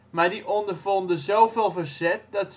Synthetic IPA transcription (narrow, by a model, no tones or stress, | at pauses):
maːɹdiʔɔndərvɔndəzowveːlˠvəɹzɛt̚dɑt